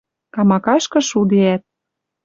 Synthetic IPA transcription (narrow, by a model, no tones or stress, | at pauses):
kɑmɑkɑʃkɤ̆ʃud̪eæt̪̚